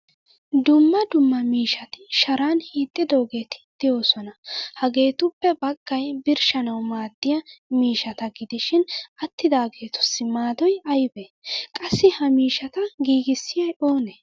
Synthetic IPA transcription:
d̪ʊmːɐd̪ʊmːɐmiːʃɐt̪ɪʃɐɾaːnhiːt̪ʼːɪd̪oːɡe̞ːt̪ɪ̥d̪̥ɪjo̞ːsɔnɐhɐɡe̞ːt̪ʊpːɛbɐɡ̥ːɐjbɪɾʃɐnɐwmaːd̪ːɪjɐmiːʃɐt̪ɐɡɪd̪ɪʃɪnɐt̪ːɪd̪aːɡe̞ːt̪ʊ̥sːɪmaːd̪ɔjɐjbekʼɐsːɪhɐmiːʃɐt̪ɐɡiːɡɪsːɪjɐjo̞ːne

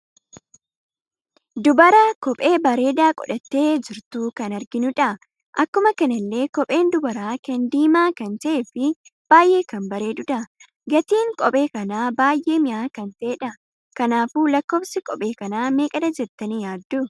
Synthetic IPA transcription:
d̪ʊbɐɾakɔpʼe̞ːbɐɾe̞ːd̪aːkʼɔ̰ᶑɐt̪ːe̞ːd͡ʒɪɾt̪uːkɐnɐɾɡɪnʊᶑɐ | ʔɐkːʊmɐkɐnɐlːe̞ːkɔpʼe̞ːnd̪ʊbɐɾaːkɐnd̪iːmaːkɐnt̪ɐʔeːfɪb̥aːjʔe̞ːkɐnbɐɾe̞ːd̪ʊᶑ̪ɐ | ɡɐt̪iːŋkʼɔpʼe̞ːkɐnaːbaːjʔe̞ːmɪʔaːkɐnt̪ɐeːᶑɐ | kɐnaːfuːlɐkːoːbsɪkʼɔpʼe̞ːkɐnaːme̞ːkʼɐd̪ɐd͡ʒɛt̪ːɐnijaːd̪ːʊ

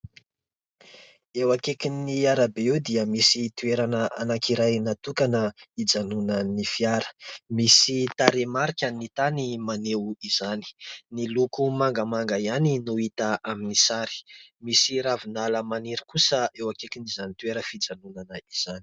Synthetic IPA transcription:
ewakekiniaɾabeewd̪iəmisit̪ueɾanəanakiɾajnat̪ukanəid͡zanunənifiaɾə̥misit̪aɾemaɾikʲanit̪animanewizani̥nilukumaŋɡəmaŋɡaianinuit̪aʔaminisaɾi̥misiɾavinaləmaniɾəkusəewakekinizanit̪ueɾəfid͡zanunanəiz̥anii̥

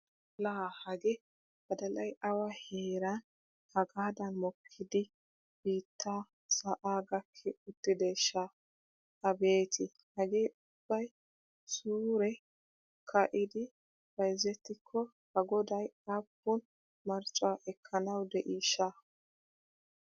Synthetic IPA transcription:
laːhɐɡɛ | b̥ɐd̪ɐlɐjʔɐwaheːɾɐn | hɐɡaːd̪ɐnmɔkʰːɪd̪ɪ | b̥iːt̪ʰːaː | sɐʔaːɡɐkʰːɛʊt̪ːɪd̪eʃa | ɐbe̞ːt̪ʰɪ | hɐɡeːʊb̥ːɐj | suːɾɛ | kʰɐʔɪd̪ɪ | b̥ɐjzɛt̪ːɪkʰːɔ | hɐɡɔd̪ɐjapːʊn | mɐɾt͡ʃʼaʔɛkʰːɐnɐwd̪ɛʔiːʃa

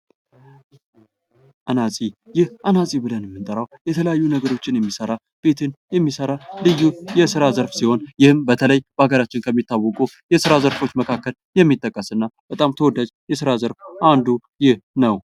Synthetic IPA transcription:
ʔanasʼijɪhʔanasʼibɨlənjɛmːɨnt̪ʼəɾawjɛt̪ʰələjajːunəɡəɾo̞t͡ʃːɪnjɛmːisəɾa | b̥e̞t̪ʰɨnjɛmːisəɾalɨjːujɛsɨɾazəɾfsiho̞njɪhɨmbət̪ʰələjb̥əaɡəɾat͡ʃːɪnkʰəmːit̪ːawːɔkʼu | jɛsɨɾazəɾfo̞t͡ʃːməkʰakːəljɛmːit̪ʼːəkʼːəsɨnːab̥ət̪ʼamt̪ʰəwɔd̪ad͡ʒjɛsɨɾazəɾfʔand̪u | jɪhnəw

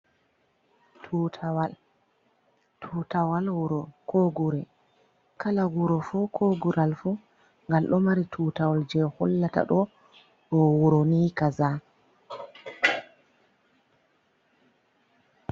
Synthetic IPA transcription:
tʰuwal | tʰutawalwuɾɔkʰoɡuɾɛ | kalaɡuɾɔfukʰoɡuɾalfu | ŋɡalɗɔmaɾitʰuːtawald͡ʒɛhɔlːata̰ɗɔ | ɗɔwuɾoniːkaza

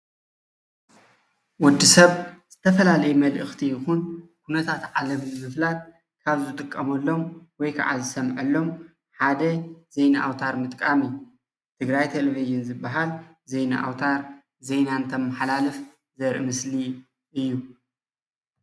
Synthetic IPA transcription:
wɔd̪ːisɐβz̥ɨt̪ʰɐfɐlalɐjmɐlʔɨxt̪ʰijɪxunkʰunɐt̪ʰat̪ʕalɐmnɨmɨflat̪̚ | kʰaβzɨt̪ʼɨkʼːɐmɐlːo̞mwɔjkʰa̰ʕa̰zɨsɐmʕɐlːo̞m | ħad̪ɐzejnaʔawt̪ʰaɾmɨt̪ʼkʼamɨjːu | t̪ʰɨɡɾajt̪ʰeleviʒɪnzɨbːaɦal | ze̞jna̰ʔa̰wt̪ʰaɾ | zejnant̪ʰɐmːaħalalɨf | zɐɾʔɨmɨsli | ʔɨjːu

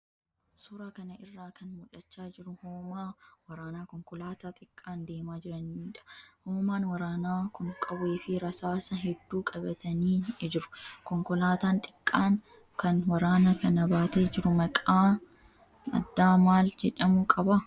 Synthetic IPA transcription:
suːɾaːkɐnɐɪrːaːkɐnmʊᶑɐt͡ʃːaːd͡ʒɪɾʊhoːmaːwɐɾaːnaːkɔŋkɔlaːt̪aːt̪ʼɪkʼːaːnd̪e̞ːmaːd͡ʒɪɾɐniiːᶑɐ̥hoːmaːnwɐɾaːnaːkʊŋkʼɐbweːfɪɾɐsaːsɐɦɛd̪ːuːkʼɐbɐt̪ʰɐniːɪd͡ʒɪɾʊ̥kɔŋkɔlaːt̪aːnt̪ʼɪ̥kʼːaːŋ | kɐnwɐɾaːnɐkɐnɐbaːt̪eːd͡ʒɪɾʊmɐkʼaː | ɐ̰d̪ːaːmaːld͡ʒɛᶑɐmʊkʼɐbɐ

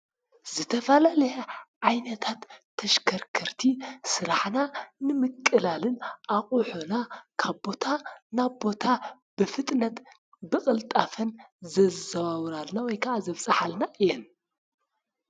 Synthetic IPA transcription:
z̥ɨt̪ʰɐfɐlalɐjɐʕajnɐt̪ʰat̪ʰː | ɐʃkʰɐɾkʰɐɾt̪ʰisɨɾaħnanɨmɨkʼːɨlalɨnʔaχʼuħunakʰaβbo̞t̪ʰanaβbo̞t̪ʰa | b̥ɨfɨt̪ʼnɐt̪ | bɨχʼɨlt̪ʼafɐnzɐzɐβawɾalnawɔjkʰɐʔazɐβsʼɐħalnaʔɨjɛn

